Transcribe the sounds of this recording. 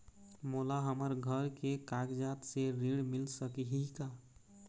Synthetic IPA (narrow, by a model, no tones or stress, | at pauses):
molaɦəməɾɡʱəɾkekaɡd͡ʒat̪seɾiɽmɪlsəkiɦika